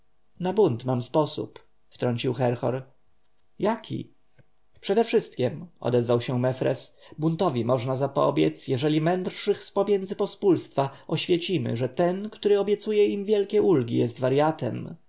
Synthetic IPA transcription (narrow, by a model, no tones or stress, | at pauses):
nabunt̪mamspɔsṵp | ft̪ɾɔɲt͡ɕiwxɛɾxɔ̰ɾ | jakʲʰḭ | pʂɛd̪ɛfʂɘst̪̚kʲɛmʔɔ̰d̪ɛzvawɕɛmɛfɾɛ̰sbunt̪ɔvʲimɔʐnazapɔ̰bʲjɛ̰t̪sjɛʐɛlʲimɛnd̪ɾʂɘxspɔmʲjɛnd̪zɘpɔspulst̪faʔɔɕfʲjɛt͡ɕimɘ̰ʐɛt̪ɛnkt̪uɾɘɔbʲjɛt̪sujɛimvʲjɛlkʲɛʔulɡʲijɛst̪vaɾjat̪ɛ̰m